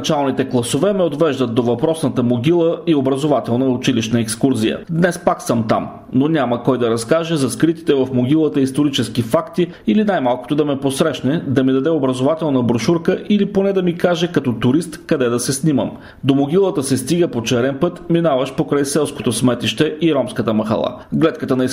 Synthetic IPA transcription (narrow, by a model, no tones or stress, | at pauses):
t͡ʃalˠnit̪ɛklˠɐsovɛmɛod̪vɛʒd̪ət̪̚d̪ovɐpɾɔsnət̪əmoɡʲilˠəiobɾɐzovat̪ɛlˠnəʊt͡ʃiliʃnəɛkskuɾzijə̰d̪nɛspaksəmt̪a̰m | nonʲaməkɔjd̪ɐɾɐskaʒɛzɐskɾit̪i̥t̪ɛvɐfmoɡʲilˠət̪əist̪oɾit͡ʃɛskifakt̪i | ilinajmalˠko̥t̪od̪ɐmɛposɾɛʃnɛd̪ɐmid̪ɐd̪ɛobɾɐzovat̪ɛlˠnəbɾʊʃuɾkəʔiliponɛd̪ɐmikaʒɛkɐt̪ɔt̪ʊɾist̪kɐd̪ɛd̪ɐsɛsnimə̰m | d̪omoɡʲilˠət̪əsɛst̪iɡəpot͡ʃɛɾɛnpɤt̪minavəʃpokɾajsɛlˠsko̥t̪osmɛt̪iʃt̪ɛʔiɾɔmskət̪əmɐxɐ̰lˠa̰ɡlɛt̪kət̪ənɐi